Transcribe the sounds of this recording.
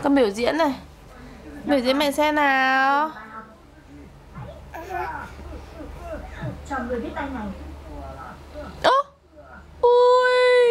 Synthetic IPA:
kɔː˨˧˦ɓi˧˩əwzḭ˧˥ənna˨˩j | ɓi˧˩əwzḭ˧˥ənmɛ̰˧˨sɛ˧naː˨ | t͡ɕɔ˨˩nŋɨ˨˩əjɓi˦˥ət̚t̪a˧jna˨˩j | ʔo˨˧˦ | ʔu˧j

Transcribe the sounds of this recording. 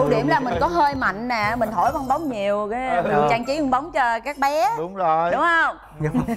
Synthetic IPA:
u˧˩ɗi˧˩əmlaː˨˩mï˨˩ŋ̟kɔ˨˦ɦəː˧jma̰˧˨jŋ̟nɛː˨˩mï˨˩ŋ̟ɦo˧˩jɓa˧wŋ͡mɓa˨˦wŋ͡mɲi˨˩əwkaː˨˦nɨ˨˩t͡ɕaː˧ŋt͡ɕi˨˦ɨ˧ŋɓə˨˦wŋ͡mt͡ɕɔ˧kaː˦˥k̚ɓɛ˨˦ɗʊ˨˦ŋ͡mzo˧˨˩jɗʊ˨˦ŋ͡mhə˧wŋ͡m

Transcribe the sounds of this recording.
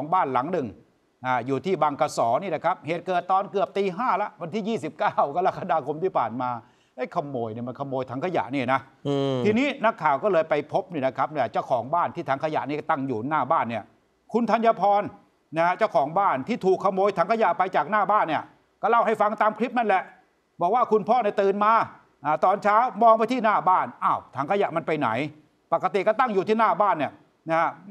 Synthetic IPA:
kʰɔː˩˦ŋbaː˥˩nla˩˦ŋnɯ˨˩ŋ | ʔaː˧˩juː˨˩t̪ʰiː˥˩baː˧ŋkaː˧sɔː˩˦niː˥˩la˦˩kʰa˦˥p̚heː˨˩t̪̚kɤː˨˩t̪ːɔː˨˩nkɯ˨˩əp̚t̪iː˧ɦaː˥˩la˦˥ʔwa˧nt̪ʰiː˥˩jiː˥˩si˨˩p̚kaː˥˩wka˧la˦˥kʰːa˧daː˧kʰo˧mt̪ʰiː˥˩pʰaː˨˩nmaː˧ | ʔɤ˦˥˩jkʰa˧mːoː˧jni˥˩ma˧nkʰa˧mːoː˧jt̪ʰa˩˦ŋkʰa˧ja̰˨˩ʔniː˥˩na˦˥ | iː˧niː˦˥na˦˥kʰːaː˨˩wkɔː˥˩lɤː˧jpa˧jpʰo˦˥p̚niː˥˩na˦˥kʰa˦˥p̚ni˥˩t͡ɕa˥˩wkʰɔː˩˦ŋbaː˥˩nt̪ʰiː˥˩a˩˦ŋkʰa˧ja̰˨˩ʔniː˦˥˩t̪a˥˩ŋjuː˨˩naː˥˩baː˥˩nːi˥˩ə | kʰu˧nt̪ʰa˧njaː˧pʰɔː˧n | na˦˥ha˦˥t͡ɕaː˥˩wkʰɔː˩˦ŋbaː˥˩nt̪ʰiː˥˩t̪ʰuː˨˩kʰːa˧moː˧jt̪ʰaː˨˩˦ŋkʰja˨˩pa˧jt͡ɕaː˨˩k̚naː˥˩baː˥˩nːi˥˩ɐ | kɔː˥˩la˥˩wha˥˩jfa˧ŋt̪aː˧mkʰɾi˦˥p̚na˥˩nlɛ˨˩ʔ | bɔː˨˩k̚waː˥˩kʰu˧npʰɔː˥˨ni˥˩t̪ɯː˧nmaː˧ | ʔaː˨˩t̪ɔː˧nt͡ɕʰaː˦˥wmɔː˧ŋma˧˩jt̪ʰiː˥˩naː˥˩baː˥˩nʔaː˧˩wt̪ʰaː˨˩˦ŋkʰa˧ja̰˨˩ʔma˧npa˧jna̰˩˦j | pa˨˩kːa˧t̪i˨˩kɔː˥˩t̪a˥˩ŋjuː˨˩t̪ʰiː˥˩naː˥˩baː˥˩nːi˥˩ə | na˦˥ha˦˥

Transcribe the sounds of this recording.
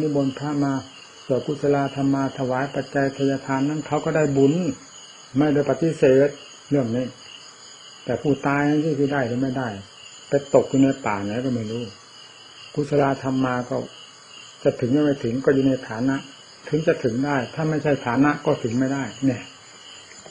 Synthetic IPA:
niː˦˥˩bo˧npʰaː˧˥˩maː˧ | su˧˩ku˧˥˩sʰa˧laː˧t̪ʰa˧mːaː˧t̪ʰa˧waː˨˦jpa˨˩t̪̚t͡ɕa˧jt̪ʰa˧jaː˧t̪ʰaː˧nːa˦˥˨nkʰa˦˥˩wkɔː˥˩daː˥˩jbu˨˩n | ma˥˩jda˥˩jpa˨˧t̪ːi˧˥seː˨˩t̪̚ | ɾɯ˥˩əŋniː˦˥˩ | t̪ɛː˨˩pʰuː˥˩t̪aː˧jna˥˩sʰiː˥˩si˧˩daː˥˩jt̪a˨˩˦ma˥˩jda˥˩j | pa˧jt̪o˨˩k̚juː˧na˧jp̪aː˨˩na˨˦kɔ˥˩ma˥˩jɾuː˦˥˩ | kʰu˧˩t̪̚sʰa˧laː˧t̪ʰa˧mːaː˧kɔ˥˩ | t͡ɕa˨˩t̪ʰɯ˩˦ŋma˧˩ma˥˩jt̪ʰɯ˩˦ŋkɔː˥˩juː˨˧na˧jt̪ʰaː˨˦na˦˥ʔ | t̪ʰɯ˨˩˦ŋt͡ɕa˨˧˩t̪ʰɯ˩˦ŋdaː˥˩jt̪ʰaː˥˩ma˥˩jt͡ɕʰa˥˩jt̪ʰaː˨˦na˦˥ʔkɔː˥˩t̪ʰɯ˩˦ŋma˥˩jdaː˥˩jnɛː˧˩

